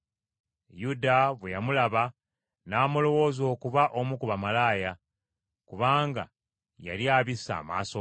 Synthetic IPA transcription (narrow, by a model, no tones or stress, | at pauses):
judaβwejamulaβa | naːmulo̞wo̞ːzo̞ːkuβaʔo̞mukuβamalaːja | kuβaːŋɡa̰ | ja̰ljaːβisa̰ːma̰ːso